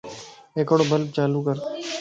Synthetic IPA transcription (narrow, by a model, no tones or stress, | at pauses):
eːkoɽobʱəl̚t͡ʃaːluːkəɾ